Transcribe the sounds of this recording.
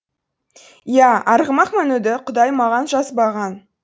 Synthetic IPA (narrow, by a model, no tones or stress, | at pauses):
jæɑɾʁəmɑqmænud̪ɪqʰʊd̪ɑjmɑʁɑnʒɑsbɑʁɑn